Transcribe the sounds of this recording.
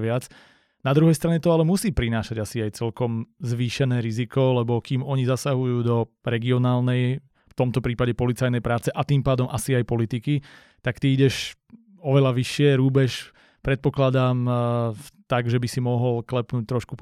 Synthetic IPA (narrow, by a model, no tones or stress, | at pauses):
ʋɪat͡s | nad̪ɾuɦɛjst̪ɾaɲɛt̪ɔalɛmusiːpɾinaːʃaɟasiajt͡sɛlkɔmzʋiːʃɛnɛːɾizikɔlɛbɔkiːmɔɲizasaɦujuːd̪ɔ | ɾɛɡiɔnaːlnɛj | ft̪ɔmt̪ɔpɾiːpaɟɛpɔlit͡sajnɛjpɾaːt͡sɛʔat̪iːmpaːd̪ɔmʔasiajpɔlit̪iki | t̪akt̪iiɟɛʃ | ɔʋɛlaʋiʃɪɛɾuːbɛʃ | pɾɛt̪̚pɔklad̪am | t̪aɡʒɛbisimɔɦɔlklɛpnuːc̚t̪ɾɔʃku